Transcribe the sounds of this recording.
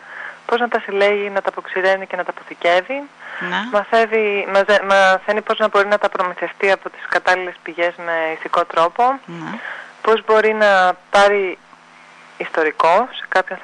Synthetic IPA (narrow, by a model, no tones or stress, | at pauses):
po̞znɐt̪ɐsile̞ʝinɐt̪ɐpoksiɾe̞nice̞nɐt̪ɐpo̞θice̞vi | mɐθevimɐmɐθe̞nipo̞znɐbo̞ɾinɐt̪ɐpɾo̞miθe̞ft̪iɐpo̞t̪i̥skɐt̪ɐlile̞spiʝe̞zme̞iθiko̞t̪ɾo̞po̞ | po̞zbo̞ɾinɐpɐɾi | ist̪o̞ɾiko̞se̥kɐpçonθ